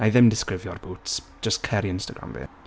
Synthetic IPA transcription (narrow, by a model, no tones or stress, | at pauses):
ajðɛ̃mdɪskɹɪvjɔɹboːtsʒ̥əskʰɛɾiɪ̃nstəɡɹã̰mvḭː